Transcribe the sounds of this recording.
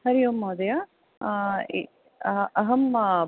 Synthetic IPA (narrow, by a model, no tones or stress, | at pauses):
hɐɾijumːɐːd̪ɐja | ɐɦɐm